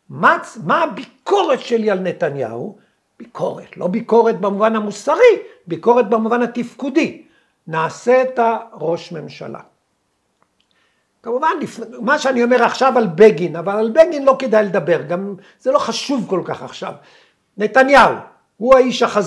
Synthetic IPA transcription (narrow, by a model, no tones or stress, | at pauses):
mat͡smaːbikʰo̞ʁe̞t̪ʃelialne̞t̪anja̰hu | b̥ikʰo̞ʁet̪lo̞biko̞ʁe̞t̪̚bemuvanamusaʁibiko̞ʁet̪̚bemuvanat̪ifkud̪i | naːse̞ːtaʁo̞ʃme̞mʃa̰la̰ | kamuvanlifnemaʃeanio̞me̞ʁaχʃavalbeɡinavalalbeɡinlo̞ked̪ajled̪abe̞ʁɡam | z̥elo̞χaʃuvko̞lkaχa̰χʃa̰v | ne̞t̪anjaṵ | huaiʃaχaz